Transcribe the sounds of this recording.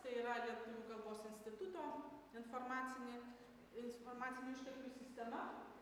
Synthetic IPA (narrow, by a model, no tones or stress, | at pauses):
t̪ɐiːɾɐlʲiɛt̪ʊʋʲuːɡɐlˠboːsɪnʲsʲt̪ʲɪt̪ʊt̪oːɪnfoɾmɑːt̪sʲɪnʲe | ɪnfoɾmɑːt̪sʲɪnʲʊɪʃʲt̪ʲɛlʲkʲuːsʲɪsʲt̪ʲɛmɐ